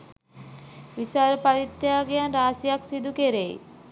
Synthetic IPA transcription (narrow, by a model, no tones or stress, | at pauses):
ʋisaːɾəpaɾit̪ːjaːɡejanɾaːsijaksid̪ukeɾej̰